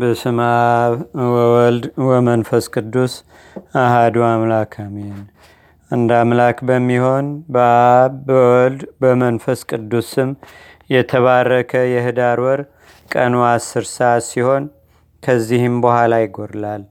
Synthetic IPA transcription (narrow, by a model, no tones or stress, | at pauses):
bəsɨmaβwəwɔld̪wəmənfəskʼɨd̪ːus | aɦad̪uamlakʰamen | ɨnd̪amlakbəmːiho̞nbəβbəwɔld̪bəmənfəskʼɨd̪ːusɨm | jɛt̪ʰəβarːəkʰəjɛhɨd̪aɾwɔɾ | kʼənoasːɨɾsəat̪siho̞n | kʰəzːihɨmbəhalajɪɡoɾlal